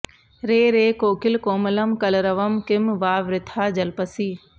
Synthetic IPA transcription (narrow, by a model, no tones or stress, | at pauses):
ɾeːɾeːkoːkɪlkoːmɐlɐmkɐlɾɐʋɐmkɪmʋaːʋɾɪt̪ʰaːd͡ʒɐlpɐsiː